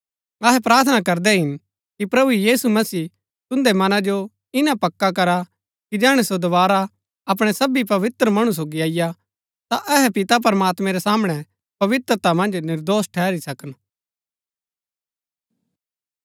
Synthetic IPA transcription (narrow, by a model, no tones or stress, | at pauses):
ɐɦɛpɾaːɾt̪ʰənakɐɾd̪ɛɦɪn | kipɾɐbujiːsumɐsiː | t̪ʊ̃nd̪emɐnad͡ʒo | ɪnãpɐkːakɐɾa | kid͡ʒɛːɽ̃esod̪ɐʋaːɾa | ɐp̬ɽ̃ɛsɐbipɐʋɪt̪ɾəmɐɽ̃us̬oːɡiaːɪja | t̪aʔɛɦɛpɪt̪ap̬ɐɾəmaːt̪mɛ̃ɾɛsaːmɽ̃ɛ | pɐʋɪt̪ɾət̪amɐ̃nd͡ʒnɪɾd̪oːsʈʰɛːɾisɐkən